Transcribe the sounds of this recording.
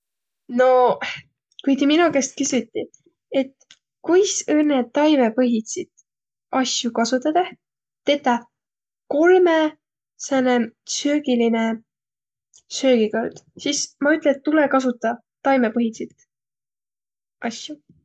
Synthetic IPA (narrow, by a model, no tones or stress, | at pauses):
no̞ | kujt̪eminukest̪̚kysjut̪ʲːi | e̞t̪ | kujsɤnːet̪ːɑjme̞pɤɦit̪sit̪ | ɑsjukɑsut̪ːˑɑd̪ɑ | t̪e̞t̪ːˑɑ | ko̞lme | sɑnesøːɡiline | sø̞ːɡ̥ikold̪̥sismɑyt̪ːˑlet̪ːulekɑs̬ut̪ːˑɑ | t̪ɑjmepɤɦisit̪ | ʔɑsju